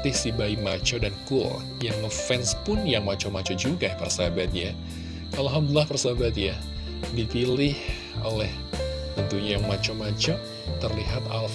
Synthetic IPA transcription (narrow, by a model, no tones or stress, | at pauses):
t̪ɪsibaimat͡ʃɔdankul | jaŋməfɛnspʊnjaŋmat͡ʃɔmat͡ʃɔd͡ʒuɡapərsaɦabat̪̚ja | alɦamdulahpərsaabat̪ja | dipilɪh | olɛh | t̪ənt̪uɲajaŋmat͡ʃɔmat͡ʃɔ | t̪ərliɦat̪alf